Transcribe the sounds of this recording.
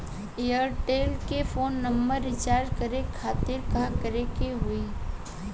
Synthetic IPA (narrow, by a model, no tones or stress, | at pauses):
ejəɾʈeːlkefʰoːnːɐmbəɾːɪt͡ʃaːɾɖkəɾekʰaːt̪ɪɾkakəɾekeɦʊi